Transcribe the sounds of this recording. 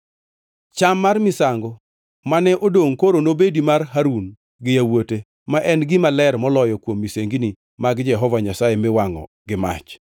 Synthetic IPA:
t͡ʃamːarmɪsaŋɡɔ | manɛʔodoŋkoɾonobedimarɦaɾun | ɡɪjawote | maʔɛnɡɪmalɛrmɔlɔjɔkwomːiseŋɡini | maɡd͡ʒɛɦɔvaɲasajemɪwaŋɔ̰ | ɡɪma̰t͡ʃ

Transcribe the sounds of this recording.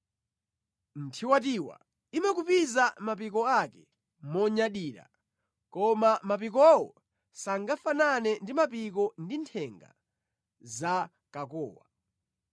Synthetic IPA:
n̩tʰiwatiwa̰ | imakupizamap̬ikɔakɛ | mɔɲaɗiːɾa̰ | kɔmamap̬ikɔwɔ̰ | saŋɡafananɛndimapik̬ɔndintʰɛŋɡa̰ | za | kakɔ̰ːwa̰

